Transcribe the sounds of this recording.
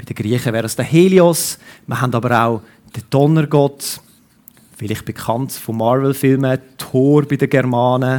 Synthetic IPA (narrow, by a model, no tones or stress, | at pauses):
b̥id̥əɡ̥ɾiəχəvɛːɾəsd̥əheːliɔsməɦandɑːbəɾaʊ | d̥əd̥ɔnəɾɡɔt | fɪlɪχtb̥ekʰɑntfomɑɾvɛlfɪlmətʰoːɾbidəɡɛɾmɑːnə